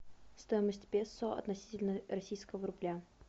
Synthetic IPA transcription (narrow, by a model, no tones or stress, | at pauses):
st̪ojɪməsʲtʲbʲesoɐ̰t̪nɐsʲi̥tʲɪlʲnərɐsʲijskəvəɾʊblʲa